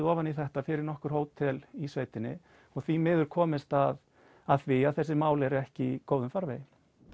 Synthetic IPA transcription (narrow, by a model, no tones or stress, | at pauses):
ɔːvaniθɛht̪afɪɾɪɾnɔhkʏɾ̥ɦoːwt̪ʰɛlisveːjt̪ɪnːɪ̰ | ɔɣθimɪːðʏɾ̥kʰɔːmɪst̪að | aðθfvɪaðθɛsːɪmaːwlɛɾɛhcɪkoːwðʏmfaɾvḛjɪ